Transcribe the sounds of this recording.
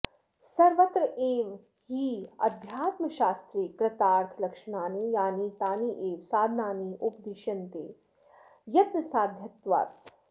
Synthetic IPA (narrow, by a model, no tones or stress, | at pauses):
sɐɾʋɐt̪ɾəʔeːʋ | ɦiːɐd̪ʱjaːt̪mɐʃaːst̪ɾiːkɾɐt̪aːɾt̪ʰlɐkʃɐnaːniːjaːnit̪aːniːʔeːʋsaːd̪ʱnaːniːʔupd̪iʃɐnt̪eː | jɐt̪nɐsaːd̪ʱjɐt̪ʋa̰ːt̪